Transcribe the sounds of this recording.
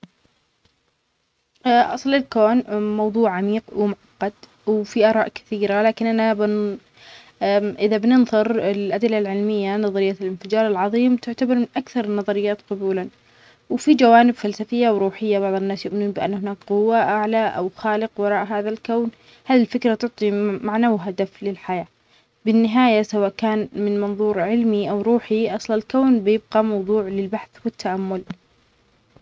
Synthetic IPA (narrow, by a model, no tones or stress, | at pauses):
ʔɑsˤlɪlkoːnmɑwðˤuːʕʕamiːqwɪmʊʕɑqːɑd̪ | wfiʔɑːɾˤɑːʔkɪ̥θiːɾalaːkɪnʔanabɪ | ʔɪðabnɪnðˤɨɾɪlʔad̪ɪlːalʕɪlmɪjːanɑðˤɑɾɪjːalɪnfɪd͡ʒɑːɾˤɪlʕɑðˤiːmt̪ɪʕt̪abɑɾˤmɪnʔakθɑɾˤnːɑðˤɑɾɪjːaːt̪qʊbuːlan | wɪfid͡ʒawaːnɪbfalsafɪjːawɾuːħɪjːabɑʕðˤɪnːaːsjʊʔmɪnuːnbɪʔa̰nːhɪnaːkqʊwːaʔaʕlaʔa̰wxaːlɪqwɑɾˤɑːʔɦaːðalkawn | haːðilfɪkɾat̪ʊʕt̪ˤimaʕnawɦad̪aflɪlħajaː | bɪnːɪɦaːjasawaːʔkaːnmɪnmɑnðˤuːɾʕɪlmiʔawɾuːħiʔɑsˤllkawnbɪjɪb̚ɡɑmɑwðˤuːʕlɪlbaħθwɪt̪ːaʔamːʊl